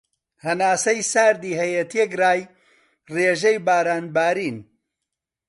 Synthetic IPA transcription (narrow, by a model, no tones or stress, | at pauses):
hɐnaːsɐjsaːɾd̪iːɦɐjet̪ʰekraːj | reːʒejbaːɾaːnbaːɾiːn